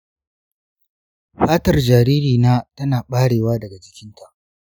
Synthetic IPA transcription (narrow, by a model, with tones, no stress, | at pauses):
ɸaː˦tɐ˨rd͡ʒaː˨ɾiː˦ɾiː˨naː˦tɐ˦naː˨ɓaː˦ɽeː˨waː˦dɐ˨ɡa˨d͡ʒɪ˦kʲɪ˦ntʰa˦˨ʔ